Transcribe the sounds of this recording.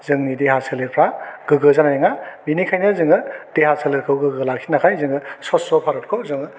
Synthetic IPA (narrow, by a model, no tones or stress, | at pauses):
zɯŋnideɦaseleɾpʰɾaɡ̥ɯɡɯzanajŋabinikʰajnɯzɯŋɯd̥ehaseleɾkʰɯwɡɯɡɯlak̚sʰinakʰajzɯŋɯsɔsɔpʰaɾɯt̚kʰɔzɯŋɯ